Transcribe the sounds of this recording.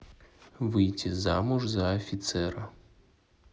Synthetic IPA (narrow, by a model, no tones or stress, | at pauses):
vɨjtʲizamuʐzɐːfʲɪt̪sɛɾɐ